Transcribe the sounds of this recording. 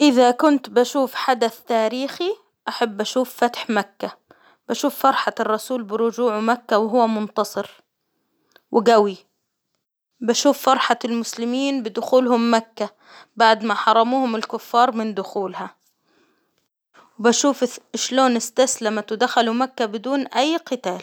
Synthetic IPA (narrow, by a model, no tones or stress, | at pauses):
ʔɪðakʊnt̪baʃuːfħad̪aθt̪aːɾiːxi | ʔaħabːʔaʃuːffat̪ħmakːa | b̥aʃuːfːɑɾˤħarˤːɑsuːlbɪɾʊd͡ʒuːʕmakːawɪɦʊwːamʊnt̪ɑsˤɨɾ | wɪɡawi | baʃuːfːɑɾˤħalmʊslɪmiːnbɪd̪ʊxuːlɦʊmːakːa | baʕd̪maħɑɾˤːɑmuːhʊmɪlkʊfːɑːɾˤmɪnd̪ʊxuːlha | wɪbaʃuːfɪʃloːnɪst̪aslamat̪wɪd̪axalumakːabɪd̪uːnʔajːqɪt̪aːl